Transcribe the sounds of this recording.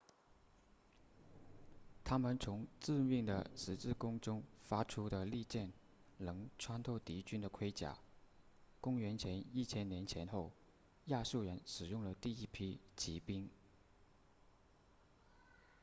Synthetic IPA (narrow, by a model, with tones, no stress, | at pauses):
t̪ʰa˥mə˨nt͡sʰʊ˧˥ŋt͡sɹ̩˥˧mi˥˩ŋd̪ə̰˩ʂɻ̩˧˥t͡sɹ̩˥˩kʊ˥ŋʈ͡ʂʊ˥ŋfa˥ʈ͡ʂʰu˥d̪ə˧li˥˧t͡ɕjɛ˥˩n | lɤ˧˥ŋʈ͡ʂʰwa˥nt̪ʰo˥˩ʊt̪i˧˥t͡ɕy˥nd̪ə˨kʰwe˥ɪt͡ɕja̰˨˩˦ | kʊ˥ŋɥɛ˧˥nt͡ɕʰjɛ˧˥ni˥˩t͡ɕʰjɛ˥nnjɛ˧˥nt͡ɕʰjɛ˧˥nxo˥˩ʊ | ja˥˧ʂu˥˩ɥɛ˧˥nʂɻ̩˨˩jʊ˥˩ŋlə˩t̪i˥˩i˥pʰi˥t͡ɕʰi˧˥pi˥ŋ